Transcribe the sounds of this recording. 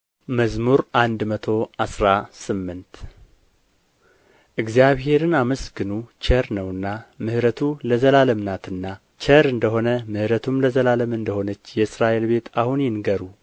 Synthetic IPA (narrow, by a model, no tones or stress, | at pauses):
məzmuɾʔand̪mət̪ʰo̞asɾasɨmːɨnt̪ | ʔɨɡzijaβhe̞ɾɨnaməsɡɨnut͡ʃʰəɾnəwɨnːamɨhɾət̪ʰuləzəlaləmnat̪ʰɨnːa | t͡ʃʰəɾɨnd̪əɦo̞nəmɨhɾət̪ʰumləzəlaləmɨnd̪əho̞nət͡ʃːjɛɨsɾaʔe̞lbe̞t̪ʰahunjɛnɡəɾu